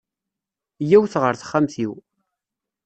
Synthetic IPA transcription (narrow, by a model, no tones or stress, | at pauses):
jæwθʁəɾθə̥χːamθiw